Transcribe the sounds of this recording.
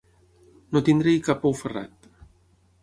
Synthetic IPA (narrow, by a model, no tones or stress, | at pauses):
not̪ind̪ɾɛjkapowfəra̰t̪